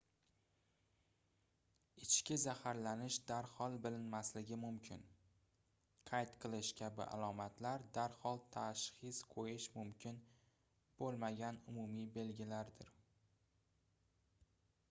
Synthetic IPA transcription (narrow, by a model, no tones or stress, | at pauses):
ɪt͡ʃʰkʲɪzahaɾlanɪʃd̪aɾhɒlˠbɪlɪnmaslɪɡʲɪmʊmkʲʰɪn | qʰɑjt̪qʰɨlˠɪʃkʲʰabɪ̰ʔa̰lˠɒmat̪ʰlaɾd̪aɾhɒlˠt̪ʰaʃχɪsqʰojɪʃmʊmkʲʰɪn | b̥olˠmaɡʲanʊmʊmibe̞lɡʲɪlaɾd̪ɪɾ